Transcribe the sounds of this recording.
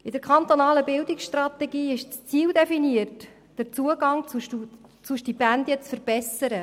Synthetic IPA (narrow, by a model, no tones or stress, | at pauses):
ɪd̥əɾkʰχɑnt̪onɑːləbɪld̪ɪksʃtrɑt̪ɛɡiːɪʃt͡st͡siːwd̪ɛfiniərt | d̥əɾt͡suəɡɑŋt͡suʃtut͡suʃd̥ibænd̪jɛt͡sfəɾb̥ɛsəɾə